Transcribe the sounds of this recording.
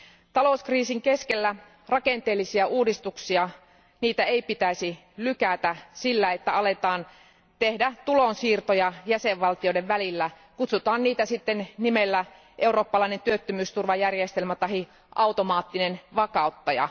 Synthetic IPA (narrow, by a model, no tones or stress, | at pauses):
t̪ɑlouskriːsiŋkeskelːæ | rɑkent̪eːlːisiæʔuːdist̪uksiɑ | niːt̪æeipit̪æisi | lykæt̪æsilːæet̪ːæɑlet̪ɑːn | t̪ehdæt̪ulonsiːrt̪ojɑjæseʋʋɑlt̪iodeʋʋælilːæ | kut̪sut̪ɑːnniːt̪æsit̪ːennimelːæ | ʔeuro̞ːpːɑlɑinent̪yøt̪ːømyːst̪urʋɑjærjest̪elmæt̪ɑɦi | ʔɑwt̪omɑːt̪ːinenʋɑkɑˑut̪ːɑjɑ̰